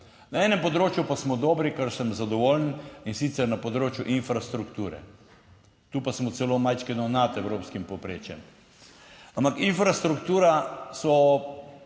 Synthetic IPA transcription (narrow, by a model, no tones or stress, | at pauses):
naɛːnɛmpɔd̪ɾoːt͡ʃjupasmɔd̪ɔːbɾikəɾsəmzad̪ɔʋoːlninsit̪sɛɾnapɔd̪ɾoːt͡ʃjuʔinfɾast̪ɾukt̪uːɾɛ̰ | t̪uːpasmɔtsɛlomajt͡ʃkɛnɔnat̪ɛwɾoːpskimpɔpɾeːt͡ʃjɛm | ampakinfɾast̪ɾukt̪uːɾasɔ